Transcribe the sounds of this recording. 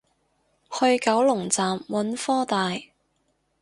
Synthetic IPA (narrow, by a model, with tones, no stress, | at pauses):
hɵ˧ɥkɐ˨˥wlʊ˨˩ŋt͡saː˨mwɐ˨˥nfɔː˥t̪aː˨j